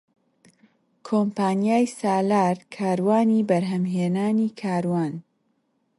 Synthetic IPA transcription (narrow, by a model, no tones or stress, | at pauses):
kʰompaːnijaːjsaːlaːɾkʰaːɾwaːnibɐɾɦɐmɦeːnaːniːkʰaːɾwaːn